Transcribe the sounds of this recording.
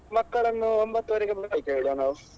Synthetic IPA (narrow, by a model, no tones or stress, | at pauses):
mɐkːɐɭenːuombɐt̪ːuʋɐɾeɡebʱɐajkːeɭɽɐːnɐʋ